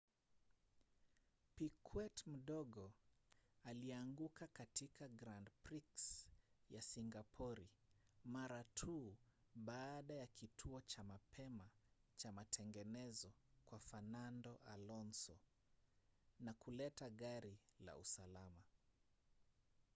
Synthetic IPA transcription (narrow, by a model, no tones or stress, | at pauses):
pikʰwɛtm̩ɗɔɠɔ | aliaŋɡukakatikaɡɾandpɾiksjasiŋɡapʰɔɾimaɾatʰuː | ɓaːɗajakitʰuɔt͡ʃamapʰɛmat͡ʃamatʰɛŋɡɛnɛzɔkwafanandɔʔalɔnsɔ | nakulɛtaɠaɾila̰ṵsalama